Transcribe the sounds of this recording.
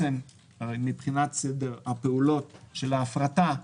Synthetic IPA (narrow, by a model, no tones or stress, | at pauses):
em | aʁejmipχinatsede̞ʁhape̞ulo̞tʃelaːfʁata